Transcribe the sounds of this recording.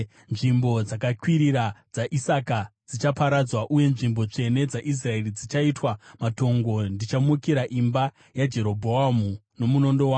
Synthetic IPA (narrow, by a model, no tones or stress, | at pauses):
nʐimbo̞d͡zakakwiɾirad͡zaʔisakad͡zit͡ʃapaɾad͡zwaʔuje̞nʐimbo̞t͡ʂe̞ne̞d͡zaʔis̬rae̞rid͡zit͡ʃaitwamato̞ŋɡo̞ndit͡ʃamukiɾaʔimba | jad͡ʒe̞ɾo̞bʱo̞amuno̞muno̞ndo̞waː